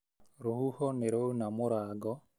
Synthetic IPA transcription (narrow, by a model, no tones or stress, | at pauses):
ɾohuhɔneɾounamoɾaɡɔ